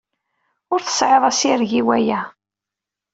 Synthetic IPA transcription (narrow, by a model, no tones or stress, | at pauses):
ʊɾθə̥sʕeðˤæsiɾʝiwæjæ